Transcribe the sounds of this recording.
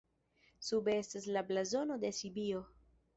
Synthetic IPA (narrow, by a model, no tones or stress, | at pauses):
subee̞staslablazo̞no̞d̪e̞sibio̞